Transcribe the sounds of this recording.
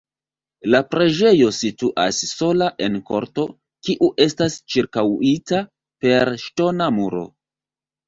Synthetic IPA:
lapɾe̞d͡ʒe̞jo̞situʔa̰sːo̞laʔe̞nko̞̰ɾto̞ | kiʔuʔe̞stast͡ʃiɾkawita | pe̞ɾʃto̞namuɾo̞̰

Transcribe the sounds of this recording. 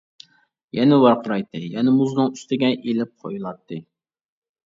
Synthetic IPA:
jɛnɪwɑɾqəɾɑjt̪ːɨjɛnɪmuznɨŋyst̪ɪɡʲɛʔelɪp̚qʰojulˠɑt̪ʰːɨ

